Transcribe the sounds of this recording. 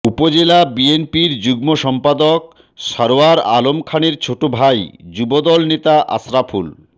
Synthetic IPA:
upod͡ʑelabienpiɾd͡ʑuɡmoʃɔmpad̪ok | ʃaɾoaɾalomkʰaneɾt͡ɕʰoʈobʱajd͡ʑubod̪ɔlnet̪aʔa̰sɾafʰul

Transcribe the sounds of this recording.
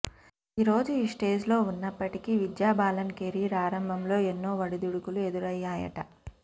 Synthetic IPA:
iɾo̞ːd͡ʒuiːʂʈe̞ːd͡ʒlo̞ːunːɐpːɐʈikiːʋid̪jaːbaːlɐnkeːɾiːpɾaːɾɐmbʱɐmlo̞ːenːo̞ːʋɐɽid̪uɽukulue̞d̪uɾɐjːaːjɐ̰ʈɐ̰

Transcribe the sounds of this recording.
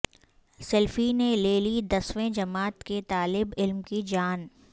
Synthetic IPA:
sɛlfineleːlid̪ɐswẽd͡ʒɐmaːt̪ket̪aːlɪbɪlmkid͡ʒaːn

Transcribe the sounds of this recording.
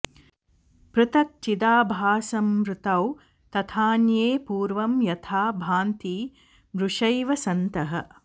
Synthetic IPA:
pɾut̪ɐk̚t͡ʃid̪aːbʱaːsɐmɾut̪ɐw | t̪ɐt̪ʰaːnjeːpuːɾʋɐmjɐt̪ʰaːbʱaːnt̪iː | mɾuʂɐjʋɐsɐnt̪ɐɦɐ̆

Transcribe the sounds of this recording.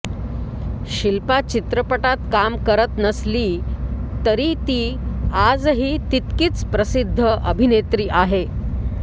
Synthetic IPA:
ɕilpat͡ɕit̪ɾəpəʈat̪kamkəɾət̪nəsliːt̪əɾit̪iːad͡zɦiːt̪it̪kiːt͡spɾəsid̪ʱːəʔəbʱinet̪ɾiːʔaɦe

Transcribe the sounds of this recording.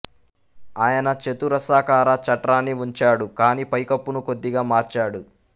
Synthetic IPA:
aːjɐnɐt͡ʃet̪uɾɐsaːkaːɾɐt͡ʃɐʈɾaːnːiuɲt͡ʃaːɽukaːniːpɐjkɐpːunuko̞d̪ːiɡaːmaːɾt͡ʃaːɽu

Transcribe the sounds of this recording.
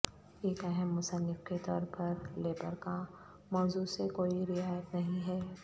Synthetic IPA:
eːkɛɦɛmːʊsənːɪfket̪ɔ̰ːɾpɐɾleːbəɾka | mɔːzusekoːiɾɪaːjət̪nɐɦĩɦɛː

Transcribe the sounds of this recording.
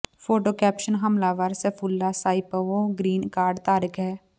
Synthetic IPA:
foːʈoːkɛːpʃənɦəmlaːʋaːɾsefʰulːasaːɪpəʋoɡɾiːnkaːɾɖt̪aːɾəkɦɛː

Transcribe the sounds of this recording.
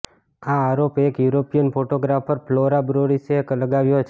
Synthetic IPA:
aːɾopekjuɾopijənpʰoʈoɡɾafəɾploɾabɾoɾisekləɡaʋjot͡ʃʰ

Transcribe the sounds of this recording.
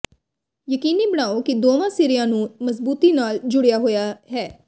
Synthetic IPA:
jəkiːniːbəɽaːoːkɪd̪oːʋãːsiːɾɪjãːnũːməsbuːt̪iːnaːld͡ʒʊɽɪjaːɦoːjaːɦɛː

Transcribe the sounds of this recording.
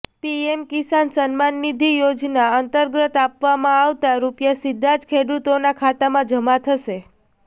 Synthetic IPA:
piemkisansənmanːid̪ʱijod͡ʒnaənt̪əɾɡɾət̪apʋamãaʋt̪aɾupjasid̪ʱːad͡ʒkʰeɽut̪onakʰat̪amãd͡ʒəmat̪ʰəʃe

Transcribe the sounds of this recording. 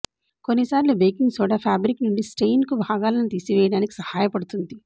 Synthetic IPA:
konːisaːɾlubejkiŋɡsuːɽaːpʰaːbɾiknuɳɖisʈejnkubʱaːɡaːlɐnit̪iːsiʋɛːjɐɽaːniki̥sɐhaːjɐpɐɽut̪und̪i

